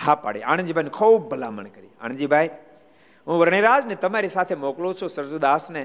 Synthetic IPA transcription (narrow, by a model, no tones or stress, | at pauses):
haːpa̰ːɽia̰ːɽ̃d͡ʑiːbʱaːnkʰoːbɐla̰ːmə̰ɽ̃kɐɾḭːa̰ːɽ̃d͡ʑiːbʱaːi | ũːʋɐɾɽ̃iɾaːznẽt̪ɐmaːɾisaːt̪ʰemoːklosʰosɐɾzod̪aːsne